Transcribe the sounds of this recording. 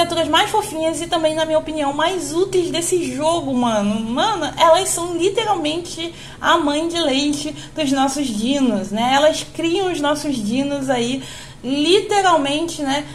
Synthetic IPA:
at̪uɾɐzmajsfofĩɲɐzɪt̪ɐ̃mbẽj̃nɐmĩɲɐopiniɐ̃w̃majzut̪ejzd̪esɪʒoɡʊmɐ̃nʊmɐ̃nʊʔɛlɐssɐ̃w̃lit̪eɾawmẽnt͡ʃɪ | a̰mɐ̃j̃d͡ʒɪlejt͡ʃɪ | d̪̥ʊznɔsʊzd͡ʒĩnʊznɛɛlɐskɾiɐ̃w̃ʊznɔsʊzd͡ʒĩnʊzai | lit̪eɾawmẽnt͡ʃɪnɛ

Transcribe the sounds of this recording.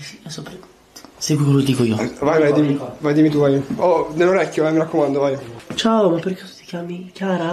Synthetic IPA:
siɛsopɾe | t̪sɛjkekeloked̪ikoiːovajvajd̪imivajd̪imit̪uvajod̪elːoɾɛkʲːjovajmiɾakːomand̪ovajt͡ʃaomapːeɾket̪u̥t̪i̥kʲjaːmikjaːɾa

